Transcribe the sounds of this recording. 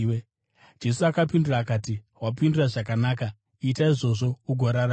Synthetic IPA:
d͡ʒe̞suakapindiraːkati | wapinduraʐak̬anaːka | iːtaiʐo̞ʐo̞uɡʱoɾaɾa

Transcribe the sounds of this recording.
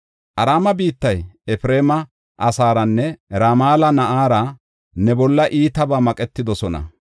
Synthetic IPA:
ʔɐɾaːmɐbiːt̪ːɐjɛfɾe̞ːmɐ | ʔɐsaːɾɐnːɛɾamaːlɐnɐʔaːɾɐ | nɛbɔlːɐʔiːt̪ɐbaːmɐkʼɛt̪ːɪd̪ɔsɔnɐ̰

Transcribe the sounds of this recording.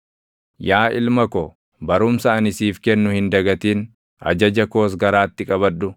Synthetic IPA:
jaːʔɪ̰lmɐkɔ | bɐɾʊmsɐːnɪsiːfkɛnːʊhɪnd̪ɐɡɐt̪iːn | ʔɐ̰d͡ʒɐd͡ʒɐko̞ːs̬ɡɐɾaːt̪ːɪkʼɐβɐᶑːʊ

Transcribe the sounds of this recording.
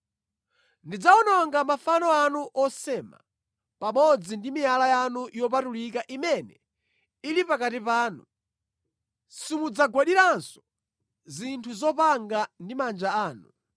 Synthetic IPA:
ndid͡zaɔnɔŋɡamafanɔanuʔɔsɛma̰ | pamɔd͡zindimialajanujɔp̬atulikaʔimɛnɛ | ilipakatipaːnu | simud͡zaɡwaɗiɾansɔ̥ | zintʰuzɔpaŋɡandimand͡ʒaaːnu

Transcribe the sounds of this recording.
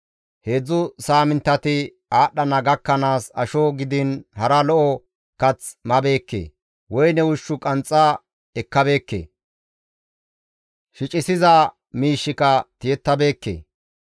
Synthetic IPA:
he̞ːd͡zːʊsaːmɪnt̪ːɐt̪ɪ | aːɗːɐnɐɡɐkːɐnaːsɐ̰ʃɔɡɪd̪ɪnhɐɾɐlɔʔɔ | kɐt͡smɐbe̞ːkːḛː | wɔjnɛwʊʃːʊkʼɐnt͡sʼːa | ɛkːɐbe̞ːkːḛː | ʃɪt͡ʃʼɪsɪzɐ | miːʃːɪkɐt̪ɪjɛt̪ːɐbe̞ːkːḛː

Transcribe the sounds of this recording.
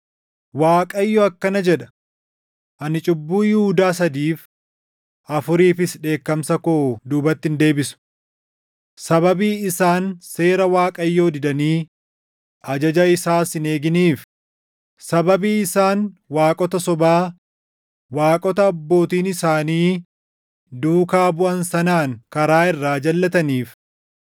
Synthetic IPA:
waːkʼɐjːoɐkːɐnɐd͡ʒɛᶑɐ̥ | ʔɐnɪt͡ʃʼʊbːuːjɪhuːd̪aːsɐd̪iːf | ʔɐfʊɾiːfɪsᶑe̞ːkːɐmsɐkoːd̪uːbɐt̪ːɪnd̪e̞ːbɪsʊ̥ | sɐbɐbiːɪsaːnse̞ːɾɐwaːkʼɐjːo̞ːd̪ɪd̪ɐniː | ʔɐd͡ʒɐd͡ʒɐɪsaːsɪne̞ːɡɪniːf | sɐbɐbiːɪsaːnwaːkʼɔt̪ɐsɔbaː | waːkʼɔt̪ɐːbːo̞ːt̪iːnɪsaːniː | d̪uːkaːbʊʔɐnsɐnaːŋkɐɾaːɪrːaːd͡ʒɐlːɐt̪ɐniːf

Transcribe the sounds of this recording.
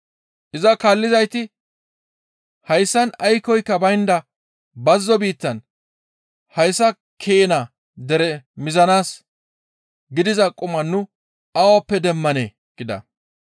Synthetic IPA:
ʔɪzɐkaːlːɪzɐjt̪ɪ | hɐjsːɐnɐjkɔjkːɐbɐjnd̪ɐ | bɐzːɔbiːt̪ːɐn | hɐjsːɐ | kʰeːna | d̪ɛɾɛmɪzɐnaːs | ɡɪd̪ɪzɐkʼʊmɐnːʊ | ɐwɐpːɛd̪ɛmːɐneː | ɡ̥ɪd̪ɐ̰

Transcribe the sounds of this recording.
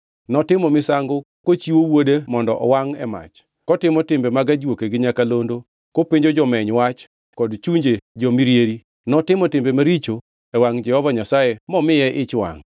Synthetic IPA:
nɔtɪmɔmɪsaŋɡʊkot͡ʃiwowodemɔndɔ̰ʔɔwaŋɛ̰ma̰t͡ʃ | kɔtɪmɔtɪmbemaɡad͡ʒwokeɡɪɲakalondo | kopiɲd͡ʒod͡ʒɔmɛɲwat͡ʃ | kɔdt͡ʃuɲd͡ʒed͡ʒɔmiɾjeɾi | nɔtɪmɔtɪmbemaɾit͡ʃo | ɛwaŋd͡ʒɛhɔvaɲasajemɔmɪjɛʔɪt͡ʃwa̰ŋ

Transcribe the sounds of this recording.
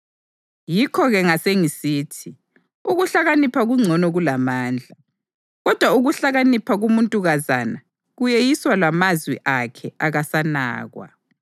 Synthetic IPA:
jikʰɔɣɛŋaseŋisiːtʰi | uɣuɬaɣanipʰaɣuŋ͡ǀʱɔnɔɣulamaːnd͡ɮʱa | ɣɔd̥ʱwauɣuɬaɣanipʰaɣumuntʼuɣaza̰na | ɣujejiswalamazwḭʔakʰɛaɣasana̰ːɣwa̰

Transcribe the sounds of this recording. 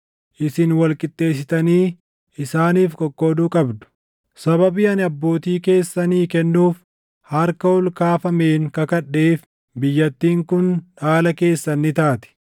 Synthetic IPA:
ʔɪsɪnwɐlkʼɪt̪ʼːe̞ːsɪt̪ɐniː | ɪsaːniːfkʼɔkʼːoːd̪uːkʼɐbd̪ʊ̥ | sɐβɐbiːɐnɐbːo̞ːt̪iːke̞ːsːɐniːkɛnːuːf | hɐɾkɐɔlkaːfɐme̞ːŋkɐkɐᶑːeːf | bɪjːɐt̪ːiːŋkʊnᶑaːlɐke̞ːsːɐnːɪt̪aːt̪ɪ̥

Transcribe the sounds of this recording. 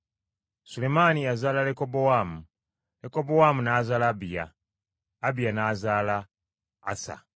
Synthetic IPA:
sule̞manijazaːlalekobowaːmu | leko̞bowamunaːzaːlabija̰ː | bijanazaːlaː | sa̰

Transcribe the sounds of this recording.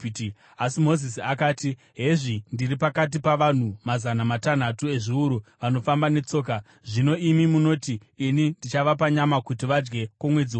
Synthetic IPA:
asimo̞zisiakaːti | ɦe̞ʐindiripakat̬ipaʋan̤umazanamatan̤atue̞ʐiuɾuʋano̞fambane̞t͡so̞ːka | ʐino̞imimuno̞tiːnindit͡ʃaʋap̬aɲamakutiʋad͡ʒɡe̞kamwe̞d͡ziwo

